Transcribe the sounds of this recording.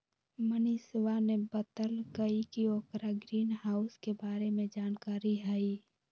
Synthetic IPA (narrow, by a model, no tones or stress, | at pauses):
məniswanebət̪əlkəikioːkɾaɡɾiːnɦaːʊskebaːɾemẽd͡ʒaːnkaːɾiɦɛi